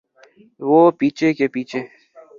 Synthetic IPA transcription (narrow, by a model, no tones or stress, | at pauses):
ʋoːpiːt͡ʃʰekepiːt͡ʃʰeː